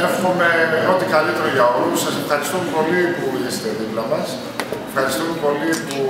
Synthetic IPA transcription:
nɐfomomemeɾot̪ikɐlit̪e̞ɾoʝɐo̞lusːɐse̞fxɐɾist̪omepo̞lipuɾuʝeset̪eðiplɐmɐs | efxɐɾist̪omepo̞lipu

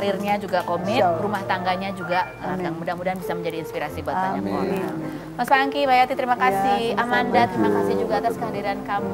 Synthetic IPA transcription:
ɾirɲad͡ʒuɡakomɪrumaht̪aŋɡaɲad͡ʒuɡa | əaŋmudamudanbisaməɲd͡ʒadiːnspiɾasibat̪aɲamoni | masaŋkibajat̪it̪əɾimakasihamandat̪əɾimakasid͡ʒuɡaːt̪askəadiɾankamu

